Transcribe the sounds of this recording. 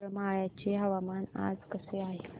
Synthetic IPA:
ɾəmaɭjat͡ɕeɦəʋamana̰d͡zkəseaɦe

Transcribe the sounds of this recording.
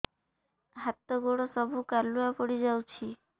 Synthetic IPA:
ɦat̪ːɔɡoɽosɔbʱukaluapoɽid͡ʒawt͡ɕʰi

